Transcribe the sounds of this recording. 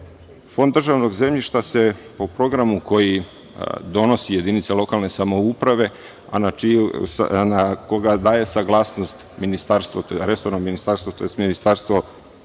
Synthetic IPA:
fo̞nd̪ːrʒaʋno̞ɡze̞mʎiʃt̪ase̞po̞pɾo̞ɡɾamuko̞ji | d̪o̞no̞sije̞d̪init̪selo̞kalˠne̞samo̞upɾaʋe̞ | anat͡ʃiusnako̞ɡad̪aːje̞saɡlˠaːsno̞st̪minist̪aɾst̪ʋot̪oɾesoɾnominist̪aɾst̪ʋot̪ojest̪minist̪aɾst̪ʋo̞

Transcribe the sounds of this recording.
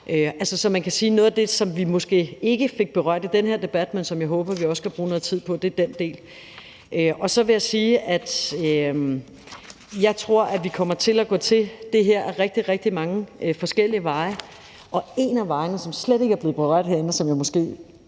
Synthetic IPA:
ʔøælsəsɒ̽mænkʰæsiːnɔ̽ːðˠd̥e̝sɒ̽mʋimɒ̽sɡ̥e̝̰ːe̝ɡ̥əfe̝ɡ̥̚b̥e̝ʁɶ̰ɐ̰d̥id̥enɦeɐ̰d̥e̝b̥æd̥mensɒ̽mjɑ̈ɪɦɔ̽ːb̥ɐʋiɒ̽skʰæb̥ʁuːnɔ̽ːð̩ˠt͡sʰið̰ˠpʰɒ̽d̥e̝d̥end̥e̝̰ːl | ʔøɒ̽sɒ̽ʋe̝jäɪsiːæd̥ | jɑ̈ɪt͡sʰʁo̝ɐ̰ʔæʋikʰɒ̽m̰ɐt͡sʰe̝læɡ̥ɔ̰̽ːt͡sʰe̝d̥e̝ɦeɐ̰æɐʁɛɡ̥̚d̥iʁɛɡ̥̚d̥imɑ̈ŋəʔfɒ̽sɡ̥el̰iəʋɑ̈ɪ | ʔɒ̽e̝næʋɑ̈ɪnəsɒ̽msleɾ̥e̝ɡ̥əæɐb̥le̝ːð̩ˠb̥e̝ʁɶ̰d̥ɦeɐ̰en̩sɒ̽mjäɪmɔsɡ̥e̝̰ː

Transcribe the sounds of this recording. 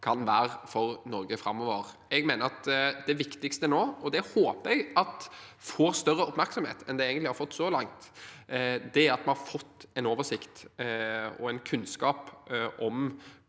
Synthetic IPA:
kʰɑnʋæːɾfɔɾnɔɾɡəfɾɑmːɔʋəɾ | ɛɡmeːnəɾɑt̪d̪ɛʋɪkt̪ɪkst̪ənoːɔd̪ɛhoːpəɛɡɑt̪foːɾst̪œrːəʊpmæɾksɔmhḛːt̪ɛnd̪ɛeːɡənlɪhɑɾfɔt̪ːsɔlɑŋt̪ | d̪ɛæɾɑt̪mɑnhɑɾfɔt̪ːɛɪnoːʋəsɪkt̪ | ɔ̰æɪnkʰʉnskɑːpʔɔm

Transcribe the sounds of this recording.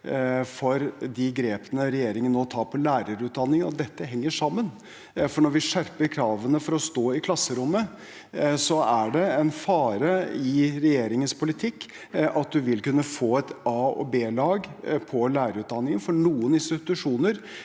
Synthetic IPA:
fɔɾd̪ɪɡɾeːpənəɾɛjeːɾɪŋənoːt̪ʰɑːpʰɔlæːɾəɾʉːt̪̚d̪ɑnːɪŋənɔ̰d̪ɛt̪ːəɦɛŋːəʂɑmːən | fɔɳɔɾʋɪʂæɾpəɾkʰɾɑːʋənəfɔɾɔst̪oːɪkʰlɑsːəɾʊmːə | sɔæɖɛɛnfɑːɾəɪɾɛjeːɾɪŋənspʰʊlɪt̪ʰɪkː | ʔɑt̪̚d̪ʉʋɪlkʉnːəfoːɛt̪ɑːɔ̰beːlɑːɡpʰɔlæːɾəɾʉːt̪̚d̪ɑnːɪŋənfɔɳuːənɪnst̪ɪt̪ʉʂuːnəɾ

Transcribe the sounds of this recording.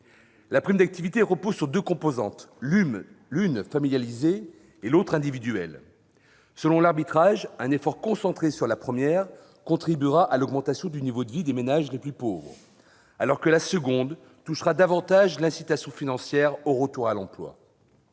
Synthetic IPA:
lapχimd̪ak̚t̪ivit̪eʁəpozsyʁd̪økɔ̃pozɑ̃t̪ | lynfamiljalizeː | lot̪χɛ̃d̪ivid̪yɛ̰l | səlɔ̃laʁbit̪χaʒɛ̃nefɔʁkɔ̃sɑ̃t̪χesyʁlapχəmjɛʁ | kɔ̃t̪χibyʁaʔalɔɡmɑ̃t̪asjɔ̃d̪ynivod̪əvid̪emenaʒleplypovʁ | alɔʁkəlasəɡɔ̃d̪ | t̪uʃʁad̪avɑ̃t̪aʒlɛ̃sit̪asjɔ̃finɑ̃sjɛʁoʁət̪uʁalɑ̰̃plwa̰

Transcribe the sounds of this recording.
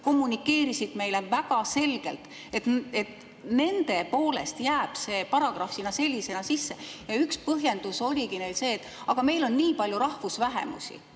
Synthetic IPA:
ko̞mːunikːe̞ːɾisid̪me̞jle̞væɡ̥ɑse̞lɡ̥e̞̰lt̪ˑ | e̞t̪et̪ | ne̞nd̪̥e̞po̞ːle̞̰st̪jæːb̥se̞ːpɑɾɑɡ̥rɑfinɑse̞lʲːise̞nɑsisːe̞jɑykspɤɦje̞nd̪uso̞lʲiɡ̥ine̞jd̪se̞ːt̪ːˑ | ɑɡ̥ɑme̞jlo̞nniːpɑlʲjuɾɑhvusvæɦe̞̰mṵsḭ

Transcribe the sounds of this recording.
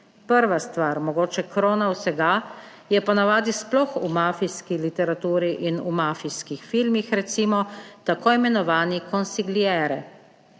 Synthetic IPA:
pəɾʋast̪ʋaɾmɔɡoːt͡ʃɛkɾoːnawsɛɡa | jɛpanaʋaːd̪isplɔxumaːfiskilit̪ɛɾat̪uːɾiʔinumafiskixfilmixɾɛt̪simɔt̪akoːimɛnɔʋaːnikɔnsiɡliɛɾɛ

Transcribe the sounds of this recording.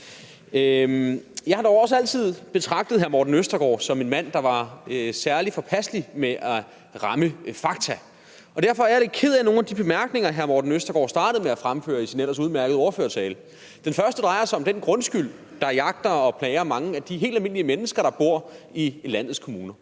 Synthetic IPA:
jɑ̈ɪhɑd̥ɒʊɒ̽səæl̰t͡sʰið̞̰ˠb̥e̝t͡sʰʁɑ̈ɡ̥̚d̥əð̩ˠɦæɐmɒːd̥n̩øsd̥ɐɡ̥ɒ̰ːsɒ̽me̝nmæn̰d̥ɑ̈ʋɑ̈sæɐlid̥fɒ̽pʰæsd̥limeʔæ | ʁɑ̈məfɑ̈ɡ̥̚t͡sʰæ | ɒ̽d̥æɐfɒ̽æɐjaɾe̝kʰe̝ð̞̰ˠæno̝ːnæd̥ib̥e̝mæɐɡ̥ne̝ŋɐɦæɐmɒːd̥n̩øsd̥ɐɡ̥ɒ̰ːsd̥ɑ̈ːd̥əð̩ˠmeæfʁamfø̰ːɐisinel̰ɐsuð̞̩ˠmæɐɡ̥ð̩ˠɒʊɐføːɐt͡sʰɛːlə | d̥enfɶɐsd̥əd̥ʁɑ̈ɪɐsɑɪɒ̽md̥enɡ̥ʁɔ̽nsɡ̥yl̰ | d̥ɑ̈jɑ̈ɡ̥̚d̥ɐɒ̽pʰlɛːɪɐmɑ̈ŋəæd̥iɦe̝̰ːld̥ælme̝n̰liəmenəsɡ̥ɐɾ̥ɑ̈b̥o̝ɐ̰ilæn̰ð̞̩ˠskʰo̝muːnɐ

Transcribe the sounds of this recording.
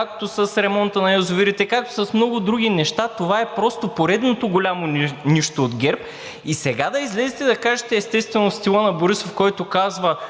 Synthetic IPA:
kak̚t̪osɐsɾɛmɔnt̪ənɐozʊviɾit̪ɛkak̚t̪o̥sɐsmnɔɡʊd̪ɾuɡʲinɛʃt̪at̪ovaɛpɾɔst̪opoɾɛd̪not̪oɡolʲamoniʃt̪oːd̪ɡʲɛɾp̚ | isɛɡad̪ɐizlɛzit̪ɛd̪ɐkaʒɛt̪ɛːst̪ɛst̪vɛnofst̪ilˠənɐboɾisofkɔjt̪okazvɐ

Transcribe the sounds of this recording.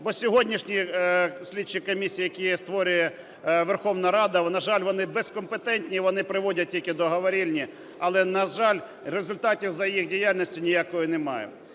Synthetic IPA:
bɔsʲɔɦɔdʲnʲiʃnʲisʲlʲit͡ʃːɪkɔmʲisʲijjɐkʲijɛst̪ʋɔɾʲʊjɛ | ʋerxɔwnɐɾɑd̪ɐnɐʒɑlʲʋɔnɪbɛskɔmpet̪ɛnʲt̪ʲnʲiʋɔnɪpɾɪʋɔdʲɐt̚tʲilʲkɪd̪ɔɦɐʋɐɾʲilʲnʲi | ɐlˠɛnɐʒɑlʲ | rezʊlʲt̪ɑtʲiwzɐjjixdʲijalʲnʲisʲtʲʊnʲɪjakɔjʊnɛmɑ̰jɛ̰m

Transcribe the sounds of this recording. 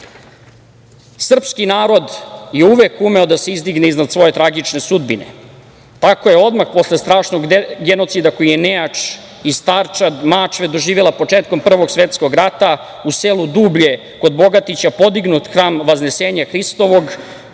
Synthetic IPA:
sr̩pskinaːɾo̞d̪jeuʋekume̞o̞d̪ase̞izd̪iɡneiznad̪sʋo̞je̞t̪ɾaɡit͡ʃne̞sud̪binḛ | t̪ako̞jeo̞d̪maxpo̞slest̪ɾaːʃnoɡɡeno̞t̪sid̪ako̞jijenejat͡ʂ | ist̪aɾt͡ʃad̪mat͡ʃʋed̪o̞ʒiːʋelˠapo̞t͡ʂeːt̪̚ko̞mpr̩ʋo̞ɡsʋet̪sko̞ɡɾat̪a | uselud̪ubʎe̞ | ko̞d̪bo̞ɡat̪it͡ɕapo̞d̪iɡnut̪xɾaːmʋazne̞seːɲaxɾist̪o̞ʋo̞ɡ

